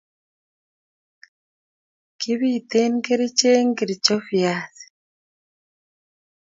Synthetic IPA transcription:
ki˦βit̪e˦ŋɡe˦ɾi˦t͡ʃe˦ŋɡi˨ɾi˨t͡ʃo˦fjaː˨si̥

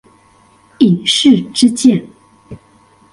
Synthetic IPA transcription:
i˨˩ŋʂɻ̩˥˩ʈ͡ʂɻ̩˥t͡ɕjɛ˥˩n

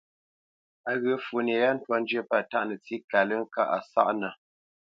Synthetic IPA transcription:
a˨ɣə˨˦fu˨n˨e˨ja˦n̩˦twɔ˦n̩˦d͡ʒɥə˦pa˦˨ta˦ʔnə˨t͡si˦ka˨lə˦ŋ̩˦ka˦ʔa˨sa̰˦ʔnə˨

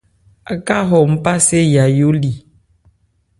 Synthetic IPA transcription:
a˨ka˦ɦɔ˨m̩˦pa˦se˦ja˨jo˦li˨

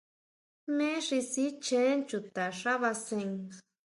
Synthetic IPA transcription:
mẽ˦ʂi˧si˦t͡ʃe˦nt͡ʃu˨t̪a˨ʂa˦βa˧se˧ŋ

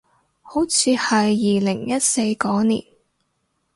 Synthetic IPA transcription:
ho˨˥wt͡sʰiː˨˧hɐ˨jːiː˨lɪ˨˩ŋjɐ˥t̚se˧jkɔː˨˥nḭː˨˩n

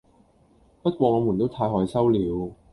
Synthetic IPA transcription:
pɐ˥t̚kʷwɔː˧ŋɔː˨˧mu˨˩nt̪o˥wt̪ʰaː˧jɦɔː˨˧jsɐ˥wliː˨˧w

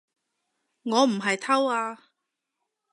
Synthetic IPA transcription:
ŋɔː˨˧m̩˨˩ɦɐ˨jt̪ʰɐ˥waː˧

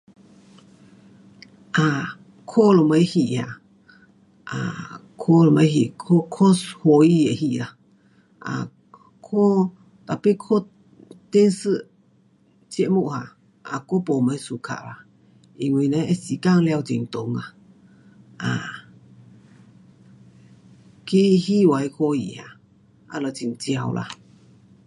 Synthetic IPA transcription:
ʔa˨ | kʰo˦˧lo˧˨mə˧i˦hi˨ʔha̰˨ | ʔa̰˨kʰo˦lo˧ma˧˦ɦi˧˨ʔkʰo˦kʰo˦sho˧i˦je˨hi˧˨ɾa˨ | a̰˧˨ | kʰo˦ | t̪a˨pe˦kʰo˦ | t̪e˦nsɨ˦ | t͡ʃe˧ʔmu˦ʔa˨ | a̰˨ko˦po˨mã˧i˧˦su˧kʰa̰˨ʔla˧ | i˧ŋʷwĩ˧˨˧nã˧˦e˦si˧ka˦˧ŋlja˧wt͡ʃi˧˨ŋt̪o˨ŋa˧˨ | a˨ | ki˦hi˦wa˨i˧kʰo˧ḭ˨ha˧ | a̰˧lo˧˨t͡ʃi˧˨ŋt͡si˧a˧lʔa̰˧

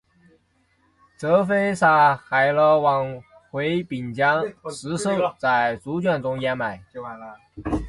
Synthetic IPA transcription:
ʈ͡ʂɤ˧˥fe˥ɪsa˨˥˩xa˨˩ɪlə˧˩wɑ˨˩ŋ | xwe˧˥ɪpi˨˩nt͡ɕjɑ˥ŋʂɻ̩˧˥ʂɤ˥˧˩t͡sa˥˩ɪt͡su˧˥t͡ɕɥɛ˥˩nʈ͡ʂʊ˥ŋjɛ˧˥nma˨˩ɪ

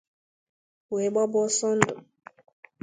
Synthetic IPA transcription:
we˨ɓa˦bɔ˦sɔ˦n˦dɔ˨

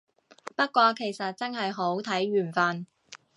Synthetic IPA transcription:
pɐ˥t̚kʷɔː˧kʰe˨˩jsɐ˨t̚t͡sɐ˥nɦɐ˨jɦo˨˥wt̪ʰɐ˨˥jɥyː˨˩nfaː˨˧n

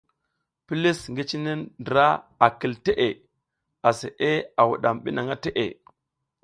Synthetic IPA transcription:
pi˦li˦sŋɡi˦t͡ʃi˦ne˦ndə˨ɾa˦a˨ki˨lte˦ʔe˨ | a˨se˨ʔe˦a˨wṵ˨ɗa˨mɓi˦na˨ŋa˦te˦ʔḛ˨

